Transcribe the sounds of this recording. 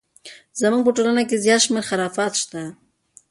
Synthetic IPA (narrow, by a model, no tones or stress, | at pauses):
zamuŋɡ̚pəʈolanakezjɑt̪ʃmeɾxaɾɑfɑt̪ʃt̪a